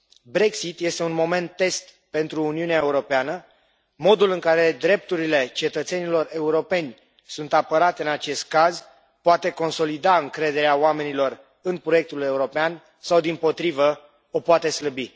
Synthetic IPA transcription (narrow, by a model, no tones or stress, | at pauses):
bɾe̞ksit̪je̞st̪e̞unmo̞me̞nt̪ːe̞st̪ | pe̞nt̪ɾuːniuneaeuɾo̞peanə | mo̞d̪ulɨŋkaɾe̞d̪ɾe̞p̚t̪uɾile̞t͡ʃe̞t̪ət̪se̞nilo̞re̞uɾo̞pe̞nʲ | sunt̪apəɾat̪ɨnat͡ʃe̞st̪̚kaz | poat̪e̞ko̞nso̞lid̪aɨŋkɾe̞d̪eɾeaoame̞nilo̞r | ɨnpɾo̞je̞k̚t̪ule̞uɾo̞pean | sawd̪impo̞t̪ɾivə | o̞poat̪e̞sləbi